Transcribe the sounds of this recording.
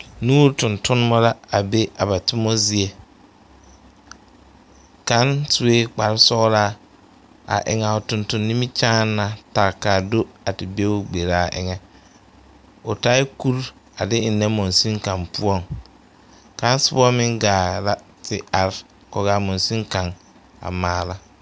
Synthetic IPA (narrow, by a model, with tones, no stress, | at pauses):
nuː˦ɾtʊ̃˨ntʊ˦n˦mɔ˦la˦a˨be˦a˨ba˨tʊ˦mɔ˦zi˦e˦ | ka˨˦ntu˨weː˦k͡pa˨ɾɪ˦sɔ˦ɾa˦ | a̰˨ʔɪ̰˨ŋɛ˨ʊ˨tʊ̃˨ntʊ˨nːi˦mi˦t͡ʃaː˦nːa˨ta˨ka˨do˦a˨tɪ˨be˦ʊ˦ɡ͡be˨ɾa˦˨ʔɪ̰˨ŋɛ˦ | ʊ˨ta˦ɪ˦ku˦ɾ | a˨dɪ˦ɪ˨nːɛ˦mo˨nsi˦ŋkã˨mpu˦ɔ˦ŋ | ka˨˦n˦sɪ˦bɔ˦mɪ̃˦ŋɡaː˨la˦ | tɪ˨a˨ɾ | kɔ˨ɡaː˨mɔ˨nsi˦ŋka˨ŋ | a̰˨maː˨˦la˦